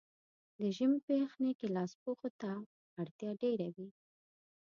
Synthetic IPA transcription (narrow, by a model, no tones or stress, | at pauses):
d̪əʒəmpexnekelɑspoxot̪a | aɽt̪jɑɖeɾawi